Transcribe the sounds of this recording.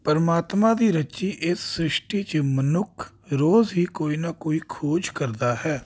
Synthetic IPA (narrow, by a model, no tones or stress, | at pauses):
pəɾmaːt̪mãːd̪iːɾət͡ʃiːʔɪsːɾɪʃʈiːt͡ʃmənʊkʰ | ɾoːzɦiːkoːiːnaːkoːiːkʰoːd͡ʒkəɾd̪aːɦɛː